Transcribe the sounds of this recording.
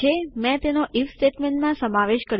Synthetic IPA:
emɛ̃t̪enoʔifsʈeʈmẽɳʈmãsəmaʋeʃkəɾ

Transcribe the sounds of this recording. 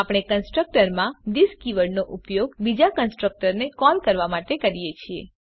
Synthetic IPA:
apɽ̃ekənsʈɾək̚ʈəɾmãd̪iskiʋəɽnoʔupjoɡbid͡ʒakənsʈɾək̚ʈəɾnekɔlkəɾʋamaʈekəɾijet͡ʃʰie

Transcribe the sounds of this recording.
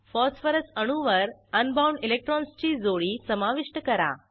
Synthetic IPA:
fɔsfəɾəsəɽ̃uʋəɾənbawɳɖilek̚ʈɾɔnst͡ɕiːd͡zoɭiːsəmaʋiʂʈəkəɾa̰

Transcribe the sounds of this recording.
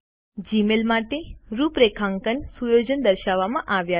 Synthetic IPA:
d͡ʒimelmaʈeɾupɾekʰãŋkənsujod͡ʒənd̪əɾʃaʋːamãʔaʋja

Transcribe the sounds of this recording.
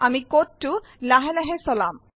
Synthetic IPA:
amikotːu | laɦelɛɦesɔlam

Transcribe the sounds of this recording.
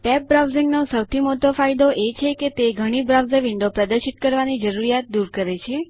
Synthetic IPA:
ʈɛp̚bɾawziŋɡnosəwt̪ʰimoʈofaijd̪oʔet͡ʃʰeket̪eɡʱəɽ̃ibɾawzəʋiɳɖopɾəd̪əɾʃit̪kəɾʋanid͡ʒəɾuɾijat̪̚d̪uɾkəɾet͡ʃʰe

